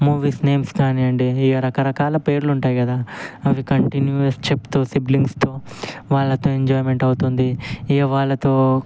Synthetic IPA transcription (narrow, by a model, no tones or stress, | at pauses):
muːʋiːsne̞ːmskaːniɐɳɖiːɾɐkɐɾɐkaːlɐpe̞ːɾluɳʈaːjkɐd̪aːɐʋikɐɳʈinjuɐst͡ʃept̪oːsibliŋɡst̪oːʋaːɭːɐt̪o̞ːeɲd͡ʒɔːjme̞ɳʈɐwut̪und̪iiɐʋaːɭːɐt̪o̞ː